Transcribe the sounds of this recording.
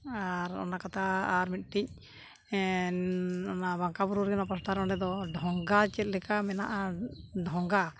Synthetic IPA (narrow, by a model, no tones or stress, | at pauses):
aɾɔ̰nakat̪ʰaːɾmit̪̚ˀʈic̚ | ɔnabaŋkabuɾuɾɛnapɔsʈaɾɔɳɖɛd̪ɔɖʱɔŋɡat͡ʃɛt̪̚lɛkamɛna̰ʔaɖʱɔŋɡa